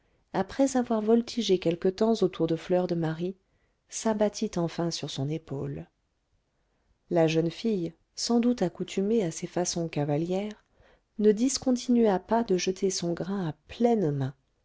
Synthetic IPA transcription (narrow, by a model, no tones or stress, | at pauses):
apχɛzavwaʁvɔlt̪ʰiʒekʲɛlkət̪ɑ̃zot̪ʰuʁd̪əflœʁd̪əmaʁi | sabat̪ʰit̪ɑ̃fɛ̃syʁsɔ̃nepol | laʒənfij | sɑ̃d̪ut̪akut̪ʰymeasefasɔ̃kavaljɛːʁ | nəd̪iskɔ̃t̪ʰinɥapad̪əʒət̪ʰesɔ̃ɡʁɛ̃aplɛnmɛ̃